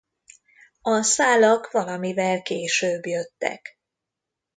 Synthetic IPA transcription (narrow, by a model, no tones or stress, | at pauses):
ɒsaːlɒkʋɒlɒmivɛlkeːʃøːbjøt̪ːɛ̰k